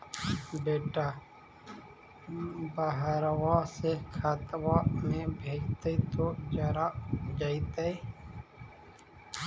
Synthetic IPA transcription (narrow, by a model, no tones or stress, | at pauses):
beːʈaː | bəɦəɾwasekʰat̪wamẽbʱeːd͡ʒt̪əit̪od͡ʒəɾad͡ʒaːit̪əi